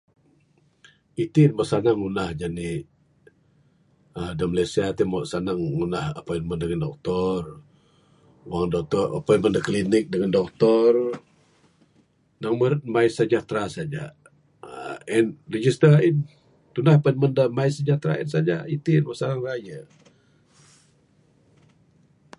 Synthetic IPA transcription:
it̪inbasanaŋːunahd͡ʒani | ədəməlesiat̪imɔʔsanaŋːunahəpɔinməndəŋandɔk̚t̪ɔr | waŋdɔk̚t̪ɔə̰pɔnməndəklinɪk̚dəŋandɔk̚t̪ɔr | naŋməɾt̪̚maɪsəd͡ʒat̪ɾasad͡ʒa̰ | ɛnrəd͡ʒist̪əin | t̪unahapɔinməndəmaɪsəd͡ʒat̪ɾa̰ḭnsad͡ʒait̪inwasanaŋrajə

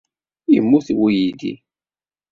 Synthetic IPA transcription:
jḭmːuθiwujid̪ḭ

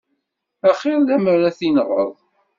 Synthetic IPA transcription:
æχɪɾðæməɾæθinʁə̰ðˤ

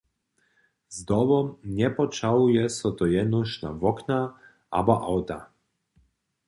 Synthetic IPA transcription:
zd̪ɔbɔmnʲɛpɔt͡ʃawjɛsɔt̪ɔjɛnuʃna̰vɔkna | a̰baʔawt̪a̰

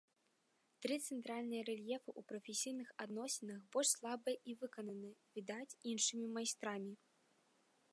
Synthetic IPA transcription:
t̪ɾɨt̪sɛnt̪ɾalʲnɨjɐɾɛlʲjɛfɨʔupɾɐfʲesʲijnɨxad̪nɔsʲɛnɐxbɔlʲʂslˠabɨjʔivɨkɐnɐnɨvʲid̪at͡sʲinʂɨmʲimajst̪ɾamʲi

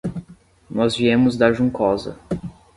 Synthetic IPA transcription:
nɔzviẽmʊzd̪ɐʒũŋkɔzɐ̰

